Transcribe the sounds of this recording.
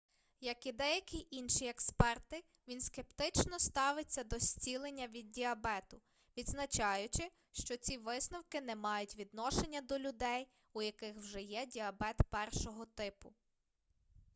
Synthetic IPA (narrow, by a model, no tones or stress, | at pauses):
jɐkid̪ɛjɐkʲiʔinʃiekspɛrt̪ɪ | ʋʲinske̞pt̪ɪt͡ʃnɔst̪ɑʋɪt͡sʲːɐd̪ɔsʲt͡sʲilˠenʲːɐʋʲid̪̚dʲiɐbɛt̪ʊ | ʋʲid̪znɐt͡ʃɑjʊt͡ʃɪ | ʃt͡ʃɔt͡sʲiʋɪsnɔwkɪnɛmɑjʊtʲʋʲid̪nɔʃenʲːɐd̪ɔlʲʊd̪ɛj | ujɐkɪxwʒɛjɛdʲiɐbɛt̪pɛrʃɔɦɔt̪ɪpʊ